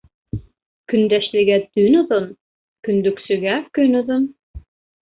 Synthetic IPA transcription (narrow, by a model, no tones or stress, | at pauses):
kynd̪æʃlɘɡæt̪ynuðun | kynd̪yksyɡækynuðun